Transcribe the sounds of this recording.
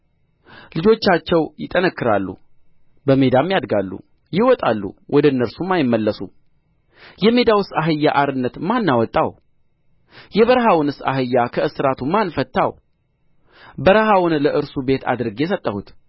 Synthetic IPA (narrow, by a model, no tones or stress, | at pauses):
lɨd͡ʒo̞t͡ʃːat͡ʃːɛwjɪt̪ʼːənəkːɨɾa̰lːṵ | bəme̞d̪amːijad̪ɡalːṵ | jɪwɔt̪ʼalːṵwʔɔd̪ənːəɾsumːajɪmːəlːəsṵ | jɛme̞d̪awɨsaɦɨjːaʔaɾɨnːət̪manːawɔt̪ʼːaw | jɛβəɾɦawɨnɨsa̰ɦɨjːakʰəɨsɨɾat̪ʰumanfət̪ːa̰w | bəɾəɦawʊnləʔɨɾsube̞t̪ʰa̰d̪ɾɨɡjɛsət̪ʼːəhut̪